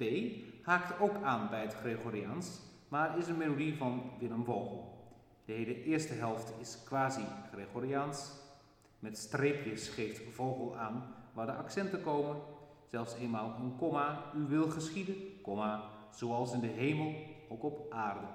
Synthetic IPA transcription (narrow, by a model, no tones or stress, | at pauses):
b̥ejhaːktowkaːnbɛjətχreɣorians | matɪsənmelodivɑnʋɪnəmvowɣəlˠ | d̥əheːləʔɪːɹstəɦɛlˠftɪskʋaːziχreɣoɾians | mɛtstreːpjəsχejftv̥owɣəlˠaːnʋaːdəʔaksɛntəkowmən | z̥ɛlˠfseːnmaːlˠənkɔmayʋɪlˠχəsχidəkɔma | z̥oːɑlˠsɪndəɦeːməlˠowkɔpʔaːrdə